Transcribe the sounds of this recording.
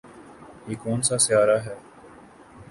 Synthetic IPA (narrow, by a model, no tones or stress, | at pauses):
ɦiːkoːnsaːsɪjaːɾaːɦɛː